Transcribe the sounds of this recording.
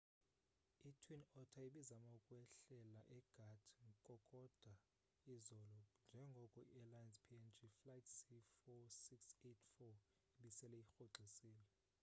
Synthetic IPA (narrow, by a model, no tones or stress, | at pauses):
itʰwinɔtʰaiɓizamaukʼwɛɬɛlaʔɛɡ̥ʱatʰŋkʼɔkʼɔd̥ʱa | izɔlɔnd͡ʒʱɛŋɡʱɔkʼɔiɛlajɛnspʰiɛnd͡ʒiflajtʰsifɔsiksetʰfɔ | iɓisɛlɛixoǁʱisiːlɛ